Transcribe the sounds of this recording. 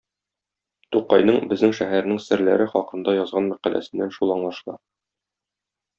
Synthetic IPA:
t̪uqːɑjnɤɴbɘ̆znɘŋʃæɦæɾ̆nɘŋsɘ̆ɾlæɾɘχɒqɤ̆nd̪ɑjɒzʁɑnmæqælʔæ̰sɘ̆nːænʃulˠɑɴlˠɑʃlˠɑ

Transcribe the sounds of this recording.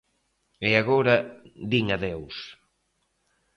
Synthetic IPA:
eaɣoɾɐd̪iŋaðews

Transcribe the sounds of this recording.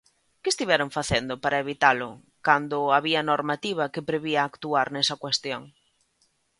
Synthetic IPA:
kɪest̪iβɛɾoɱfaθend̪ʊpaɾʔɐeβit̪alʊ | kand̪ʊaβiɐnoɾmat̪iβ̞ɐkepɾeβiaːkt̪uaɾnɛsɐkwest̪joŋ

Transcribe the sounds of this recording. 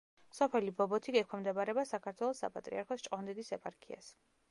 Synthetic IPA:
sɔpʰɛlibɔbɔt̪ʰiɡɛkʰwamd̪ɛbaɾɛbasakʰaɾt̪ʰwɛlˠɔsːa̰pʼat̪ʼɾḭaɾkʰɔst͡ʃʼqʼɔnd̪ɛd̪isɛpʼaɾkʰia̰s

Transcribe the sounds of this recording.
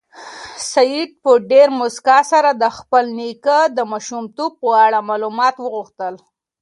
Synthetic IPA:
sajid̪̚pəɖeɾmʊskɑsaɾad̪əxpəlnikəd̪əmaʃumt̪ub̚pəaɽamɑlumɑt̪wəɣuxt̪əl

